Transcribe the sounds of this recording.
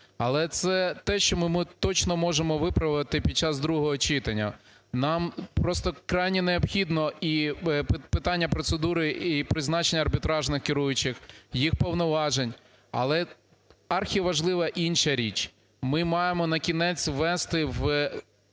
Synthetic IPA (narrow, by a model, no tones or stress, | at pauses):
ɐlˠɛt̪sɛt̪ɛʃt͡ʃɔmɪmɪt̪ɔt͡ʃnɔmɔʒemɔʋɪpɾɐʋt̪ɪpʲid̪̚t͡ʃɑzd̪ɾuɦɔɦɔt͡ʃɪt̪ɐnʲːɐ̰ | nɑmpɾɔst̪ɔkɾɑjnʲineɔpxʲid̪nɔi | pɪt̪ɑnʲːɐpɾɔt̪sed̪uɾɪipɾɪznɑt͡ʃenʲːɐrbʲit̪ɾɑʒnɪxkʲɪɾujʊt͡ʃɪxjixpɔʋnɔʋɑʒenʲ | ɐ̰lˠɛ | ɑrxʲiɐʋɐʒlˠɪʋɐʔinʃɐɾʲit͡ʃ | mɪmɑjemɔnɐkʲinɛt͡sʲʋɛst̪ɪʋ